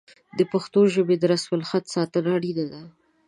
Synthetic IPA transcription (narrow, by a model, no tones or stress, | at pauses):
d̪əpaxt̪oʒəbed̪əɾaswalxat̪sɑt̪əlɑɽid̪ad̪a